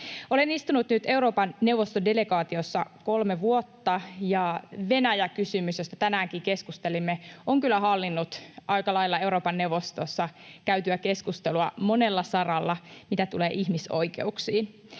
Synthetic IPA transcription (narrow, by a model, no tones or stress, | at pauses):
o̞lenist̪unut̪nyt̪e̞uɾo̞ːpɑnnewʋost̪ode̞le̞ɡɑːt̪iosːɑ̰ko̞lmeʋuot̪ːɑjɑʋe̞næjækysymysjost̪ɑ̥t̪ænæːŋkiːke̞skust̪elimːeʔoŋkylːˑæhɑlːinːut̪ʔɑikɑlɑjlːɑe̞uɾo̞ːpɑnːewʋost̪osːɑkæyt̪yæke̞skust̪eluɑmo̞ne̞lːɑsɑrɑlːɑmit̪æt̪uleːʔihmiso̰jke̞̰uksiːn